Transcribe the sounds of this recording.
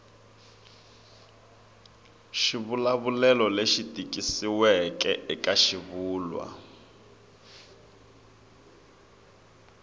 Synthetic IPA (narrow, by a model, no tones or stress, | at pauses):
ʃiβulaβulɛlɔleʃitʼikʼisiwɛkɛʔɛkʼaʃiβuːlwa̰